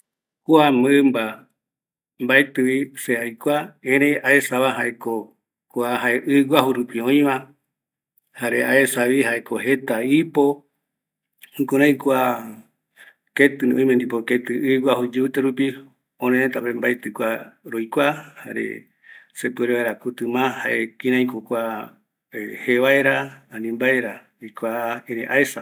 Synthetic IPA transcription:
kuamɨɨmba | mbaet̪ɨβiseajkʷaẽɾeaesaβaɦaeko | koaɦaeʔɨwʷaɦuɾupiõĩβã | haɾeaesaβihaekohet̪aipo | hũkoɾãj̃kʷa | ket̪ɨnõĩmẽnd̪ipoket̪ɨʔɨɡʷahud͡ʒeut̪eɾupi | õnẽet̪apembaet̪ɨkʷaɾojkʷaha̰ɾḛ | sepɨeɾeβaeɾakut̪ɨmãhaʔekĩɾãĩkokʷa | eheβaeɾaãnĩmbaeɾa | ikʷaeɾẽʔaesa

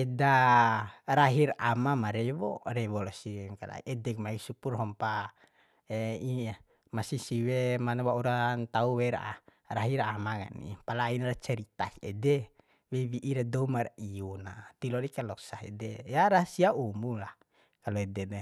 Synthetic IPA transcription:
ɛda | ɾaɦiramamaɾɛwɔrɛwɔlasiɛŋka̰la̰ḭʔɛdɛk̚maisupurɦɔmpa | ɛia | masisiwemanwauɾant̪auwɛɾa̰ | raɦiɾamaka̰nḭpalainrat͡ʃɛɾit̪a̰kɛ̰dɛ | wɛwiʔiɾadɔmariunat̪ilɔdikalɔksaɦḛdɛjaɾasiaumulah | kalɔɛdɛde

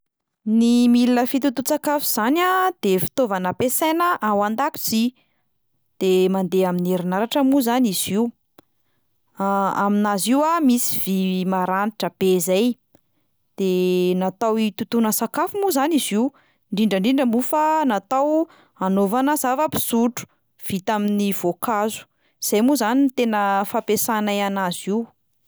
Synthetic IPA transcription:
nimilinəfit̪ut̪ut͡sakafuz̥anad̪̥efi̥t̪ovanəpesenəʔawand̪aku̥t͡si | d̪̥emand̪eamineɾinaɾaʈ͡ʂəmuzaniz̥iw | aminaziwamisi̥v̥imaɾaniʈ͡ʂəb̥ezaj | d̪̥enat̪awit̪ut̪unəsakafumuzaniziw | ɳɖ͡ʐiɳɖ͡ʐəɳɖ͡ʐiɳɖ͡ʐəmufanat̪aw | anovanəz̥avəpi̥z̥uʈ͡ʂu̥ | v̥it̪aminiv̥okazu̥ | z̥ajmuzanint̪enəfapesanajanaziw

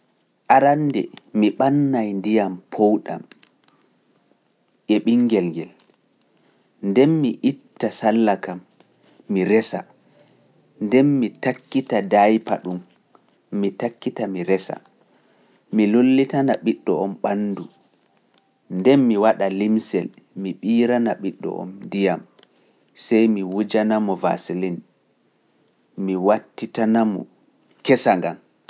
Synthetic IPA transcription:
ʔaɾandɛ̰miɓanːajndijampʰowɗa̰m | ʔɛɓiŋːɡɛlŋɡɛl | ndɛnmiʔitːasalːakamː | iɾɛsa̰ | ndɛnmitakːitadajpa̰ɗumː | itakːitamiɾɛsa̰ | milolːitanaɓiɗːɔɔmɓanːdu | ndɛnmiwaɗalimsɛl | miɓiːɾanaɓiɗːɔ̰ʔɔ̰mndijam | sɛjmiwud͡ʒanamɔva̰silin | miwatːitanamɔ̰ | kɛsaŋɡam

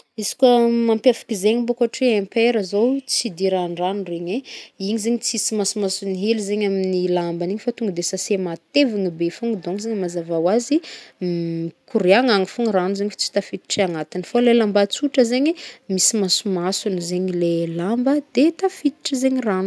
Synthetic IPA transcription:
izi̥kʲəmampjafi̥kʲizeɲimbokaʈ͡ʂiẽmpeɾəzowt͡sid̪iɾaɳɖ͡ʐanureɲeiɲizeɲit͡sisimasumasuniɦelizeɲaminilambaniɲifat̪uŋɡəd̪esasemat̪eviŋibefuŋɡəd̪oŋzeɲmazavawazi | kʰuɾiaŋaŋifuŋɾanuzeɲift͡si̥t̪afit̪i̥ʈ͡ʂiaŋat̪infolelambat͡suʈ͡ʂəzeɲimisimasumasunizeɲilelambəd̪et̪afit̪i̥ʈ͡ʂəzeɲiranu̥

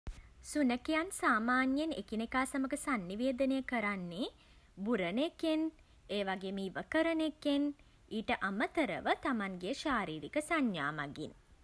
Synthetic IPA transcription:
sunəkejansaːmaːnjenḛkinekaːsaməɡəsanːiʋeːd̪ənejəkəɾanːe | buɾəneken | eːʋaɡeːmiːʋəkəɾəneken | iːʈəʔamət̪əɾə̰ʋət̪amaŋɡeəʃaːɾiːɾikəsaɲːa̰ːma̰ɡḭn

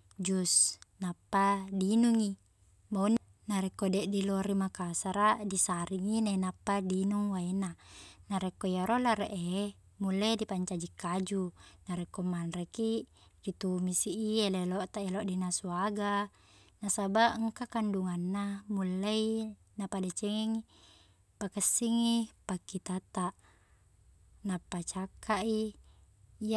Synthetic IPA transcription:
d͡ʒusnapːadinuŋi | maun | naɾɛkːodɛʔdiloɾimakasaɾaʔdisaɾiŋinenapːadinuŋwainanaɾekːojaɾolaɾeʔe | mulːedipaɲt͡ʃad͡ʒikːad͡ʒunaɾekːomːanreki | dit̪umisiʔieleloʔt̪aʔeloʔdinasuaɡa | nasabaʔəŋkakanduŋanːamulːai | napadat͡ʃeŋiŋ | pakəsːiŋipakːit̪at̪aʔ | napːat͡ʃakːaʔi | ja

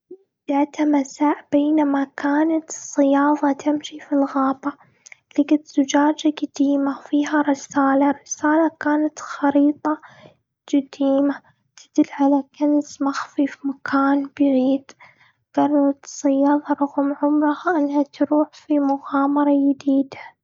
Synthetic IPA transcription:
d̪aʕt̪amasaːʕbeːnamakaːnat̪sˤːɨjɑːðˤɑt̪ɪmʃifilɣaːba | lɪɡat̪z̥ʊd͡ʒaːd͡ʒad͡ʒad̪iːmafiːɦaɾɪsaːlaɾɪsaːlakaːnat̪xɑɾiːt̪ˤɑ | d͡ʒad̪iːma | t̪ɪ̥d̪̥ɪlːʕalakansmaxfifmakʰaːnbɪʕiːd̪ | ɡ̥ɑrˤɑɾˤɑt̪sˤɨjːɑːðˤɑɾˤʊɣmʕʊmɾˤɑhʔɪnːhat̪ɾuːħfimʊɣɑːmɑɾˤɑjɪd̪iːd̪a

